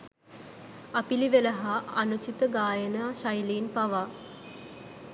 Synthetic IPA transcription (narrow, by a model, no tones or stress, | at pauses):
apiliʋeləɦaːnut͡ʃit̪əɡaːjənaːʃajliːnpaʋa